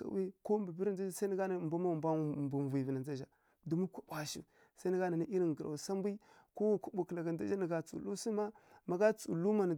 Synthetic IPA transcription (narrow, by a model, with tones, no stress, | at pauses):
ka̰˨wi˦ko˦mbə˨bi˦ɾn˦d͡za˦a˦sa˦ni˦ɡa˦na˨mba˦ma˦˨mba˦˨bu˨vi˨vi˨na˨nd͡za˦ʒa˨ | du˨mu˦kʷu˦bʷa˨ʃḭ˨ | sa˦nə˦ɡa˦na˨ni˦i˦ɾi˨ŋɡə˨ɾa̰˨sa˦mbi˦ | ko˦wku˦bu˨kla˨ɡa˨˦da˦d͡ʒa˦nə˨ɡa˨t͡sṵ˨lu˦si˦ma˦ma˨ɡa˦t͡sṵ˨lu˦ma˨n˨